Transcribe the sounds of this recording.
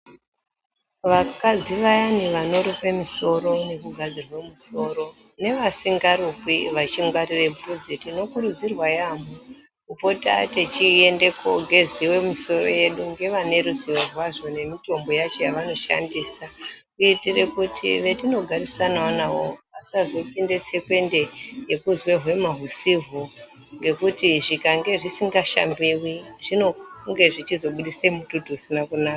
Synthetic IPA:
ʋakad͡ziʋajaniʋano̞ɾipe̞miso̞ro̞ne̞kuɡʱad͡zirwemuso̞ɾo̞ | ne̞ʋasiŋɡaɾukwiʋat͡ʃiŋɡwarire̞pud͡zitino̞kuɾud͡zirwajamu | kupo̞ta̰tet͡ʃie̞ndekʰo̞̰ɡʱe̞ziwe̞miso̞ro̞̰je̞ɗuŋɡe̞ʋane̞ɾusiʋerwaʐo̞ne̞mito̞mbo̞jat͡ʃo̞jaʋano̞ʃa̰ndiːsakuitire̞kutʰḭʋe̞tino̞ɡʱarisanawanawo̞ʋasazo̞pinde̞t͡se̞kwe̞nde̞jekuzweɦwe̞maɦusivo | ŋɡe̞kutiʐikaŋɡe̞ʐisiŋɡaʃa̰mbiwiʐ̥inoŋɡe̞ʐit͡ʃizo̞ɓuɗiseimututuusinakunaːka

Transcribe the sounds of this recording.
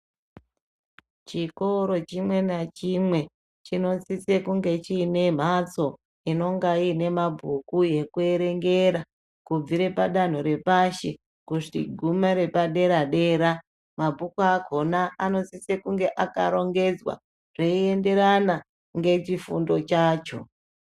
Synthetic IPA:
t͡ʃiko̞ɾo̞t͡ʃimwe̞nat͡ʃimwe̞ | t͡ʃino̞sisekuŋɡe̞t͡ʃiːne̞m̤at͡so̞ | ino̞ŋɡaine̞mabʱukuje̞kue̞ɾe̞ŋɡe̞ɾa | kub͡viɾe̞paɗan̤uɾe̞paʃe | kuʐtḭɡʱumaɾe̞paɗe̞ɾaɗe̞ɾa | mabʱukuakʰo̞naʔano̞sisekuŋɡe̞ʔakaɾo̞ŋɡe̞d͡zwa̰ | ʐ̥eie̞nde̞ɾana | ŋɡe̞t͡ʃifṵndo̞t͡ʃaːt͡ʃo̞̰

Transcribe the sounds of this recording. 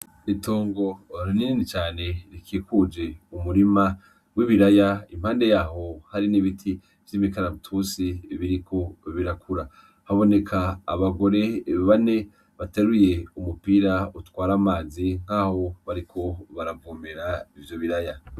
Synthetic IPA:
itoːŋɡo̞ɾinininit͡ʃaːne̞ɾikiːkud͡ʒe̞umuɾima | wiβiɾajaim̥haːnde̞jaːho̞haɾiniβitʰi | vjimikaɾamutʰusiβiɾikʰo̞βiɾakʰuɾa | haβo̞ne̞kʰaːβaɡo̞ɾe̞βane̞ | βateɾuje̞umupiɾautwaːɾamaːziŋ̥haːho̞βaɾikʰo̞βaɾavuːmeɾaivjo̞βiɾaja

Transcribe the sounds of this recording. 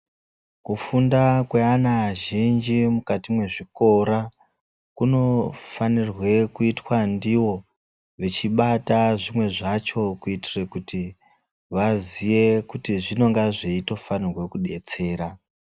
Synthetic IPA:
kufundakweanaʒind͡ʒimukatimwe̞ʐiko̞ɾa | kuno̞fanirwe̞kuitwandiwo̞ | ʋet͡ʃiɓataʐimwe̞ʐat͡ʃo̞kuitirekuti | ʋazije̞kutiʐino̞ŋɡaʐeito̞fanirwe̞kuɗe̞t͡se̞ːɾa

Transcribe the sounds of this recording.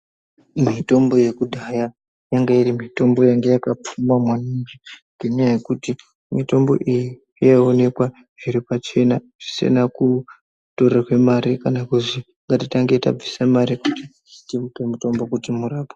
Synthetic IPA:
mito̞mbo̞je̞kudʱaja | jaŋɡairimito̞mbo̞jaŋɡejakap͡fumwamwanaɲd͡ʒeŋɡeɲajaje̞kuti | mito̞mbo̞̰ʔiji | ijaone̞kwa | ʐiɾipat͡ʃe̞na | ʐ̥ise̞̰naku | to̞rarwe̞maɾikanakuʐi | ŋɡatitaŋɡe̞ta̰b͡visamaɾikuti | itemutomuto̞mbo̞kutimuraːpo̥

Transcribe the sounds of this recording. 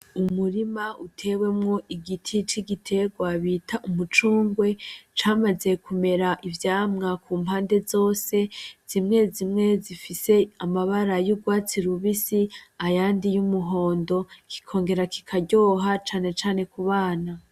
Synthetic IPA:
umuɾimautʰe̞ːwe̞mŋo̞ʔiɡitʰit͡ʃiɡitʰe̞ɡwaβitʰaʔumut͡ʃuːŋɡwe̞t͡ʃaːmaze̞kume̞ɾaʔivjaːmŋakʰuːmpaːnde̞zo̞ːse̞z̥imŋe̞zimŋe̞zifise̞amaβaɾajuɡwaːt͡siɾuβisiajaːndijumuɦo̞ːndo̞kʰi̥kʰo̞ːŋɡe̞ɾakʰi̥kʰaɟo̞ːɦat͡ʃaːnet͡ʃaːnekuβaːna

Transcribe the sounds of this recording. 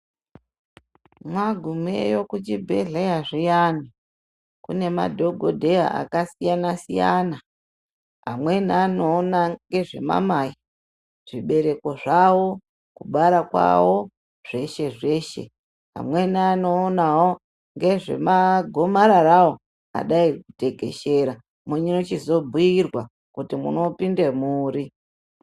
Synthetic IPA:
mwaɡʱumḛjo̞kut͡ʃibʱḛɮejaʐijani | kune̞ma̰dʱo̞ɡʱodʱe̞ja̰ʔa̰kasijanasijana | ɦamwe̞nanoːnaŋɡe̞ʐe̞̰ma̰maji | ʐ̥iɓe̞ɾe̞ko̞ʐawo̞ | kuɓaɾakwa̰wo̞ | ʐ̥e̞ʃe̞ʐe̞ːʃe̞̰ | ɦa̰mwe̞naːno̞ːnawo | ŋɡe̞ʐe̞̰maɡʱo̞maɾarawo̞ | a̰ɗaikute̞ɡe̞̰ʃe̞ɾa | muɲinot͡ʃizo̞bʱujirwa | kutimṵno̞pindemuːɾi

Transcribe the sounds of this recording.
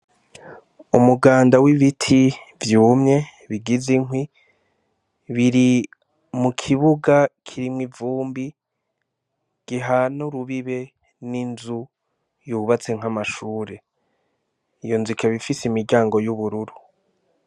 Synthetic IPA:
umuɡaːndawiβitʰivjuːmɲe̞ | βiɡiziŋɦwi | βiɾi | mukʰiβuɡakʰiɾimŋivuːmbi | ɡ̥iɦanuɾuβiβe̞ | ninzu | juβat͡se̞ŋ̥amaʃuːɾe̞ | ijonzikʰaβifisimiɾɟaːŋɡo̞juβuɾuɾu

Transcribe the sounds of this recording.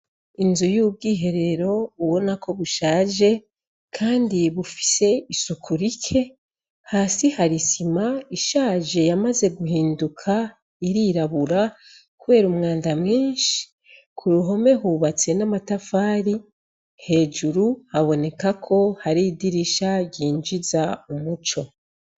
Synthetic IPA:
inzujub̚ɡiːɦe̞ɾe̞ɾo̞uβo̞nakʰo̞βuʃaːʒe̞ | kʰaːndiβufi̥se̞isukʰuɾikʰe̞ | haːsihaɾisimaiʃaːʒe̞jamaze̞ɡuhiːndukʰa | iɾiɾaβuɾa | kuβe̞ːɾumŋaːndamŋiːnʃi̥ | kʰuɾuɦo̞me̞ɦuːβat͡se̞namatafaːɾi | he̞ːʒuɾuhaβo̞ne̞kakʰo̞haɾidiɾiʃaɟiːnd͡ʒizaumut͡ʃo̞

